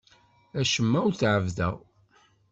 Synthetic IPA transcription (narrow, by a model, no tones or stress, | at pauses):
æʃəmːæwθʕəvðæ̰